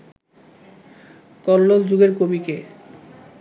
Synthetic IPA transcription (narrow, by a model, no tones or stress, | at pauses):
kɔlːold͡ʑuɡeɾkobike